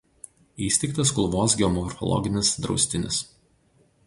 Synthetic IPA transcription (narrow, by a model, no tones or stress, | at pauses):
iːsʲt̪ʲɛɪk̚t̪ɐskʊlˠʋoːsɡʲɛɔmɔɾfɔ̰lˠɔ̰ɡʲɪnʲɪsd̪ɾɒ̰ʊsʲt̪ʲɪnʲɪ̰s